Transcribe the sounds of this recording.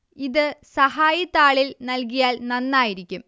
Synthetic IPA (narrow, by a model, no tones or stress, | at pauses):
iðɨsɐɦaːjɐt̪ːaːɭilnɐlk̬ijaːlnɐnːaːjiɾikʲːum